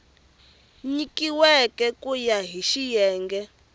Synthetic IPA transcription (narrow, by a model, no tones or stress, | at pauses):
ɲikiwɛkɛkujaɦiʃijɛːŋɡɛ